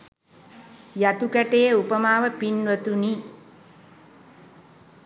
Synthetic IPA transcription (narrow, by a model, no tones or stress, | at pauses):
jat̪ukæʈejeupəmaːʋəpinʋət̪uni